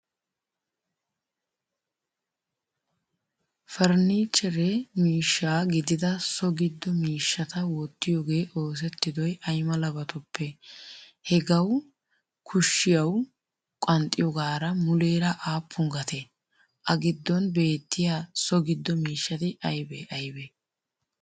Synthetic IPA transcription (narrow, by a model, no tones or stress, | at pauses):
fɐɾniːt͡ʃʼːɛɾɛmiːʃːaːɡɪd̪ɪd̪ɐsɔɡɪd̪ːɔmiːʃːɐt̪ɐwɔt̪ːɪjoːɡe̞ːʔo̞ːs̬ɛt̪ːɪd̪ɔjʔɐjmɐlɐbɐt̪ʊpːɛ | hɛɡɐw | kʰʊʃːɪjɐw | kʼɐnt̪ʼːɪjɔɡaːɾɐmʊleːɾɐʔaːpːʊŋɡɐt̪e | ʔɐɡɪd̪ːɔnbe̞ːt̪ːɪjaːsɔɡɪd̪ːɔmiːʃːɐt̪ɪʔɐjbɛʔɐjbɛ